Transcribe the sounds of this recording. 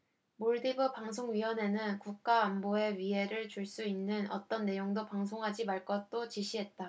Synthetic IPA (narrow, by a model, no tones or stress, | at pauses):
moɭdibɯpaŋs̬ʰoŋɥiwʌne̞nɯnkuk̚k͈aːmboe̞ɥiɦe̞ɾɯɭt͡ɕuɭs͈uinːɯnʌ̰t͈ʌnːe̞joŋdopaŋsʰoŋɦad͡ʑimaɭk͈ʌt̚t͈ot͡ɕiɕʰiɦe̞t̚t͈a